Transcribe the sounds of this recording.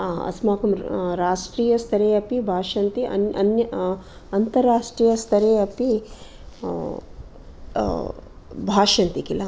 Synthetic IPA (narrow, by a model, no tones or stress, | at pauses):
ɐ̰smaːkɐmɾaːʂʈɾiːjɐst̪ʰɐɾeːɐpibʱaːʂɐnt̪iɐ̰nɐ̰njɐ | ɐnt̪ɐɾːaːʂʈɾiːjɐst̪ʰɐɾeːɐpi | bʱaːʂɐnt̪ikila